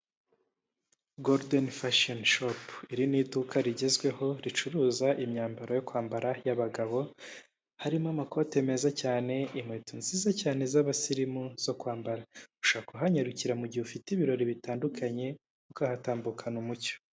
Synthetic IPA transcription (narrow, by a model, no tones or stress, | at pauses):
ɡoɾdenfaʃonʃopiɾinidukʰaɾiɟe̞zɡwe̞ho̞ɾit͡ʃuɾuːzaʔimɲaːmbaɾo̞jo̞kwaːmbaɾajaβaɡaβo̞ | haɾimamako̞te̞me̞zacaːne̞imŋetunzizacaːne̞zaβasiɾimuz̥o̞kwaːmbaɾauʃaːkuɦaɲaɾuciɾamuɟihufitiβiɾo̞ɾiβitaːndukʰaɲe̞ | kukahataːmbukʰanumuco̥